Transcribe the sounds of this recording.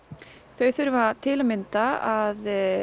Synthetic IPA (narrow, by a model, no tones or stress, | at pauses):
θœɥθʏɾvat̪ʰɪlamɪnt̪aað